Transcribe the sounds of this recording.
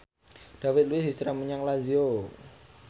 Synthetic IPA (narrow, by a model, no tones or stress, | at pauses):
d̥afɪt̪̚luisisɾaməɲaŋlazio